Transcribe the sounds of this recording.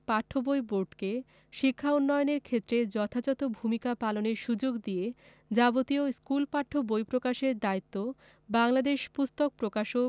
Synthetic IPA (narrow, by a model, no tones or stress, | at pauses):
paʈʰːobojboɾɖke | ʃikʰːaunːɔjoneɾkʰet̪ːɾed͡ʑɔt̪ʰad͡ʑɔt̪obʱumikapaloneɾʃud͡ʑoɡd̪ije | d͡ʑabot̪ioskulpaʈʰːobojpɾokaʃeɾd̪ait̪ːo | baŋlad̪eʃpust̪ok̚pɾokaʃo